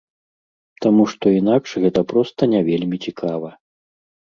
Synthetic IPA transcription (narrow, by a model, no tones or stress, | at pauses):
t̪amuʂt̪ɔinakʂɣɛt̪ɐpɾɔst̪ɐnʲavʲelʲmʲit͡sʲikʰavɐ